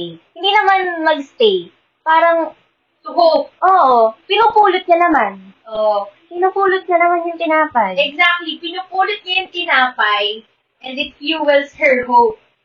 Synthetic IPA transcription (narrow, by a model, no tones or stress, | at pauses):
jhɪ̃nd̪iːnɐmanmɐɡst̪ej | paːɾɐŋ | tʊhop̚ʔoːʔopɪnupuːlʊt̪̚ɲɐnɐmanʔopɪnupuːlʊt̪̚ɲɐnɐmanjʊŋt̪ɪnaːpɐjɛɡzak̚t̪lipɪnupuːlʊt̪̚ɲɐjʊŋt̪ɪnaːpɐj | ʔɛ̃nd̪ɪt̪juwɛlshɛɹhop̚